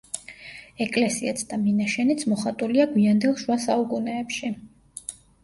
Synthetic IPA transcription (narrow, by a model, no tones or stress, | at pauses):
ɛkʼlɛsiɛt̪sʰd̪̥aminaʃɛnit̪sʰmɔχat̪ʼuliaɡwiand̪ɛlˠʃwasaukʼunɛːpʃi